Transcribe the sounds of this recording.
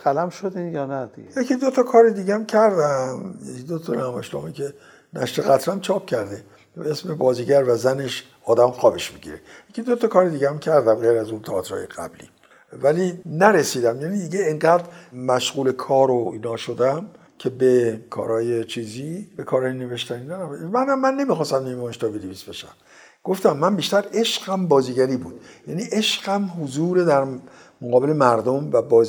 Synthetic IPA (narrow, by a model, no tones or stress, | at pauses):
sælæmʃod̪ijɒːnæd̪ijecʰid̪o̞t̪ʰɒkʰɒːɾed̪iːɡeæmcʰæɾd̪æmjekid̪ot̪ʰɔnæmæʃlɒ̰ːmikʰe | næ̰ʃt̪eɣæt̪ʰɾæmt͡ʃʰɒːp̚cʰæɾd̪e | beesme̞bɒːziːɟæɾvæzæne̞ʃ | ɒːd̪æmxɒːbeʃmiɟḭɾejekcʰid̪ot̪ʰɒkʰɒːɾed̪iːɟeæmcʰæɾd̪æmɡeɾæzunt̪ʰɑːt̪ɾɒ̰ːjḛɡæ̰blḭ | vælinæɾesiːd̪æmjæːnid̪iːɡeeŋɢæːd̪ɾmæʃɣuːle̞kʰɒːɾoiːnɒːʃod̪æm | cʰe̞bekʰɒ̰ːɾɒːjet͡ʃʰiːzibekʰɒːɾɒːjene̞ve̞ʃt̪æninæmænæmːænːe̞mixɒːst̪æmnemɒːjeʃt̪ɒvid̪evisb̥e̞ʃæ̰m | ɡ̥o̞ft̪æmːæmbiːʃt̪æɾe̞ʃɢæmbɒːziːɟæɾiːbuːd̪̥jæniʔe̞ʃɢæmɦozuːɾed̪æɾ | moɣɒːbe̞lemæɾd̪omvæbɒːz